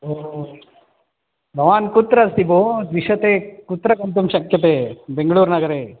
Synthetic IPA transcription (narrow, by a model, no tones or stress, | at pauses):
oː | bʱɐʋaːnkut̪ɾɐst̪ibod̪ʋiʃɐt̪eːkut̪ːɾɐkɐnt̪umʃɐkjɐt̪eːbeŋɡɐɭuːɾnɐɡɐɾeː